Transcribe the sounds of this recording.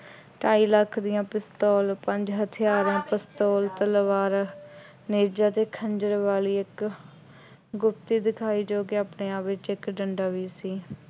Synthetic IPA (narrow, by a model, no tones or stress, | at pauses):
ʈaːiːləkʰːd̪ɪjãːpɪst̪oːlpə̃ɲd͡ʒɦət̪ʰɪjaːɾãːpəst̪oːlt̪əlʋaːɾ | neːɾd͡ʒaːt̪eːkʰəɲd͡ʒəɾʋaːliːɪk | ɡʊp̚t̪iːd̪ɪkʰaːiːd͡ʒoːkeːaːpɳeːaːpʋɪt͡ʃɪkɖəɳɖaːʋiːsiː